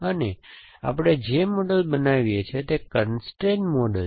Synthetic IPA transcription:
əne | a̰pɽ̃ed͡ʒemoɖəlbənaʋjet͡ʃʰet̪ekənsʈɾenmɔɖəl

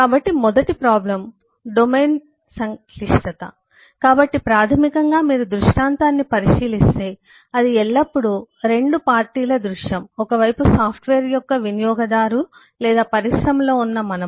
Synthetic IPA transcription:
kaːbɐʈːimɔd̪ɐʈipɾaːblɐm | ɖomeːn | sɐŋ | liʂʈɐt̪ɐ̰ | kaːbɐʈːipɾaːt̪ʰɐmikɐŋɡaːmiːɾud̪ɾuʂʈaːnt̪aːnːipɐɾiʂiːlist̪e̞ː | ɐd̪iɛɭːɐpːuɽuɾe̞ɳɖupaːɾʈiːlɐd̪ɾuʂjɐmɔkɐʋɐjpusaːpʰʈʋeːɾjɔkːɐʋinijɔːɡɐd̪aːɾu | lɛːd̪aːpɐɾisɾɐmlo̞ːunːɐmɐnɐ

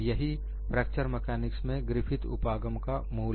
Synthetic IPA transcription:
jɐɦi | pɾɛːk̚t͡ʃəɾmɛkɛːnɪksmẽɡɾɪfʰɪt̪ʊ̰paːɡəmkamuː

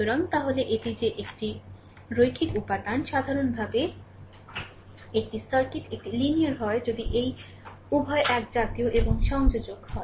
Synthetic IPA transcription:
oɾant̪aɦoleʔeʈid͡ʑeʔekʈi | ɾojkʰit̪upad̪anʃad̪ʱaɾonbʱabe | ek̚ʈisaɾkitek̚ʈilinijaɾɦɔed͡ʑod̪iʔej | ubʱɔeʔɛk̚d͡ʑat̪ioʔeboŋʃɔŋd͡ʑod͡ʑoɡhɔe

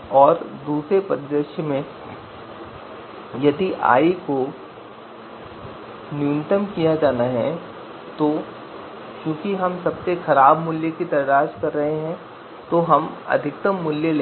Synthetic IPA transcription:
ɔːɾd̪uːsɾepɐɾd̪ɾəʃjəmẽ | jɐd̪iʔa̰ːiko | njunɪt̪əmkijad͡ʒaːnaɦɛ | t̪o | kjũːkiɦɐmsɐbsexɐɾaːbmʊljəkid̪ɐɾd͡ʒaːʃkɐɾːɐɦeɦɛ̃ | t̪oɦɐmɐ̰d̪ʱɪk̚t̪əmːʊljəl

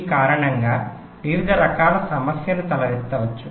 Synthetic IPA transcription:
kaːɾɐɳɐŋɡaː | ʋiʋid̪ʱɐɾɐkaːlɐsɐmɐsjɐlut̪ɐlɐɾist̪ːɐʋɐt͡ʃːu

